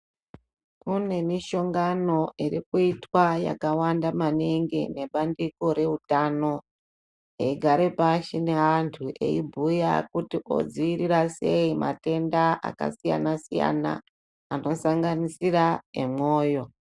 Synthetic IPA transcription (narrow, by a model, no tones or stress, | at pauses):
kune̞miʃo̞ŋɡano̞ʔiɾikuitwaja̰kawandamaneŋɡine̞ɓandiko̞ɾe̞utano̞ | eiɡʱaɾepaʃine̞antʰuʔe̞̰ibʱuja̰kutiʔo̞̰d͡ziiɾirase̞ima̰te̞ndaʔa̰ka̰sija̰nasija̰na̰ː | no̞saŋɡanisiraḛmo̞ːjo̞